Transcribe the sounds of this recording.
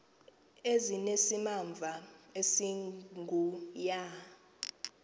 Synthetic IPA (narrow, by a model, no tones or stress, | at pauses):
ezinesimaɱb̪vʱaesiŋɡʱuja